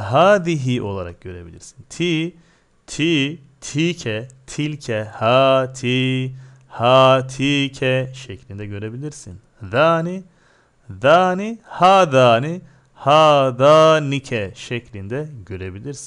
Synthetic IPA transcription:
ɦaːd̪iɦiʔo̞lˠaɾa̰k̚ɟø̞ɾebḭlʲḭɾsi̥nt̪ʰi | t̪ʰi | t̪ʰicʰɛt̪ʰilʲcʰɛhat̪ʰi | hat̪ʰicʰɛʃeclʲind̪ɛɟø̞ɾebilʲiɾsin | ðaːni | ðaːnihaːd̪aːni | haːd̪aːnicʰɛʃeclʲind̪ɛɟøɾebilʲiɾsin

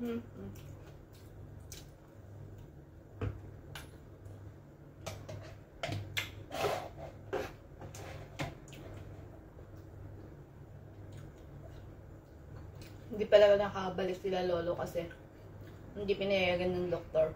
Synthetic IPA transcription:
hɪnd̪ipɐlɐɡanɐkaɐbɐlɪt̪sɪlalo̞ːlokɐsɛ | hɪnd̪ipɪnɐjjaːɡɐnːɐŋd̪ok̚t̪oɹ

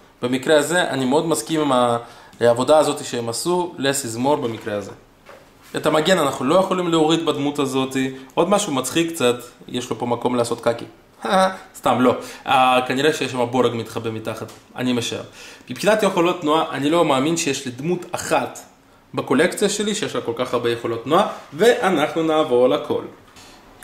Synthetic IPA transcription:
b̥emikɾeazeʔa̰nimeo̞d̪maskimimaː | vo̞d̪aːzo̞t̪iʃeemasulesizmo̞ɾbemikɾeazḛ | et̪amaɡe̞nanaχnulo̞jeχolimleoʁid̪bad̪mut̪azo̞t̪iʔod̪maʃumat͡sχikːt͡sat̪jeʃlo̞po̞mako̞mleaso̞t̪kakḭ | hast̪amlo̞akaniʁeʃejeʃ̬amaboɾeɡmit̪χabemit̪aχat̪a̰nimeʃaḛʁmipχinat̪jeχo̞lo̞t̪ːnuaʔanilo̞maːminʃejeʃlid̪mut̪aχat̪ | bako̞lekt͡sijaʃeliʃejeʃlako̞lkaχaʁbejeχo̞lo̞t̪ːnuaveʔanaχnunaːvo̞ʁalakʰo̞̰l

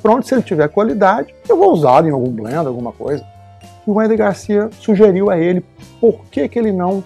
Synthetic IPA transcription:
pɾõnt̪ʊ̥sɪelɪt͡ʃivɛɾkwalid̪ad͡ʒɪewvouzad̪ẽj̃awɡũblḛ̃nd̪ʊawɡũmɐko̰jzɐ | ɪumɛ̃d̪eɡaɾsiɐsuʒeɾiwɐelɪ | poɾkekɪelɪnɐ̃w̃

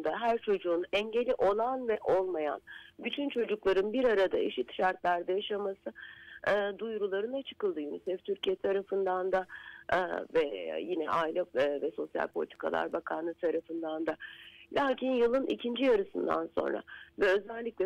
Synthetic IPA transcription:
d̪aɦæɾt͡ʃʰo̞d͡ʒuːnɛɲɟelʲiʔo̞lˠanvɛʔo̞lˠmaja̰nbyt̪ʰynt͡ʃʰo̞d͡ʒuklˠaɾɯnbiɾaɾad̪aeʃit̪ʃaɾt̪lʲˠæɾd̪ɛjaʃamasɯː | d̪ujɾulˠaɾɯnat͡ʃʰɯ̥kɯlˠd̪ɯjynisɛft̪ʰyɾcʰijɛt̪ʰaɾafɯnd̪and̪a | vɛjinɛ̰ʔaːilʲɛvɛso̞sja̰lʲpʰo̞lʲit̪ʰi̥kʰa̰lˠa̰ɾbakʰanˠɯt̪ʰaɾafɯnd̪and̪alʲʔaːcʰinjɯlˠɯnʔḭcʰind͡ʒijaɾɯsɯnd̪a̰nso̞̰nɾa̰vɛø̞zælʲːicʲlʲɛ

